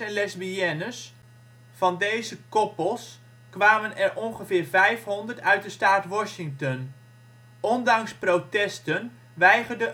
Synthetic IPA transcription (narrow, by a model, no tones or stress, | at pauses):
ɛnlɛzbiɛnəs | fɑndejzəkɔpəlˠs | kʋaːmənɛɹʔɔnχəvɪːɹvɛjfɦɔndəɹtœɥt̚dəstaːtʋɔʃɪŋktɔn | ʔɔndɑŋsprowtɛstən | ʋɛjχərdə